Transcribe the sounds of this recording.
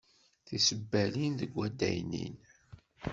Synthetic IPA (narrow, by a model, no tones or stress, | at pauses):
θisəbːælinðəɡʷːæd̪æ̰jnḭn